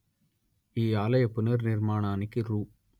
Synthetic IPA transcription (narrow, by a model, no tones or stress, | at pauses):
iːaːlɐjɐpːʊnɐɾnɪɾmaːnaːnɪkːɯɾuː